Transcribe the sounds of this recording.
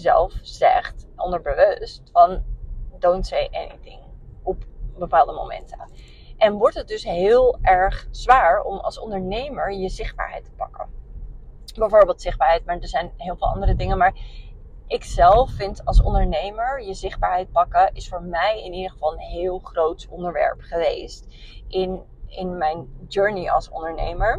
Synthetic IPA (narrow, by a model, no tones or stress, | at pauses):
zɛ̰lˠfzɛ̰χtʔɔ̰ndəɹbəʋøstfɑndownsejʔɛ̰nḭtɪ̰ŋɔpbəpaːlˠdəmo̰wmɛ̰ntə | ʔɛnʋɔɹtət̚dɵsɦɪːlˠɛɹχz̥ʋaːɹɔ̰mɑ̰lˠsɔ̰ndəɹnejməɹjəzɪχd̚ba̰ːɹɦɛ̰jtə̥pɑ̰kə̰ | bɛjvoːɹbeːlˠtsɪχdbaːɹɦɛjtmaːɹdəɹzɛjnɦɪːlˠvɪːlˠɑ̰ndərədɪŋəmaːɹ | ʔɪksɛlˠfːɪntɑ̰lˠsɔ̰ndəɹnejməɹjəzɪχbaːɹɦɛjt̚pɑkəʔɪsfʊːɹmɛjɪnidəχəv̥ɑlˠənɦɪːlˠχrowtɔndəɹʋɛ̰ɹpχəʋḛjst | ʔɪn | ɪnmɛjnd͡ʒøɹniɑ̰lˠsɔ̰ndəɹnḛjməɹ